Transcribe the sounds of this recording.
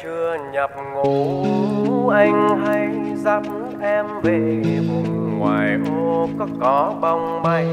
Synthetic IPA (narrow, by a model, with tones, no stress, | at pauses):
t͡ɕɨ˧əɲə˨˩p̚ŋu˨˩˦ | ʔa˧jŋ̟ɦa˧jza˧p̚ | t̪ʰɛ˧mve˨˩vʊ˧˩ŋ͡mŋwaː˨˩jʔoo˧kɔ˨˦kɔ˨˦ɓa˧wŋ͡mɓa˧j